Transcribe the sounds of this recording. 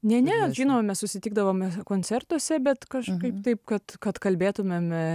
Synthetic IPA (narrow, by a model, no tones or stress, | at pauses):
nʲɛnʲɛʒʲiːnoːmɐmʲɛssʊsʲɪt̪ʲiːɡd̪ɐʋoːmkoːnʲt͡s̪ʲɛrt̪uɔsʲɛbʲɛt̪kɐʃkɐɪpt̪ɐɪp̚kɐt̪kɐt̪kɐlʲbʲeːt̪ʊmʲem